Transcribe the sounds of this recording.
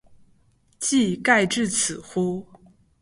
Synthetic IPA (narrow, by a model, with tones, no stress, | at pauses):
t͡ɕi˥˧ka˥˧ɪʈ͡ʂɻ̩˥˩t͡s̩ʰ˨˩xu˥